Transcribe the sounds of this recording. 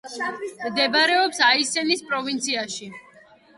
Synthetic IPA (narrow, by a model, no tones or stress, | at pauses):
md̪ɛbɾɛɔpsaisɛnispʼɾɔvint̪sʰiaʃi